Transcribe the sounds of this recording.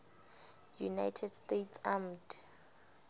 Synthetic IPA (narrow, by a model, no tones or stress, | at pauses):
juna̰jtʰɛd̥stetsamd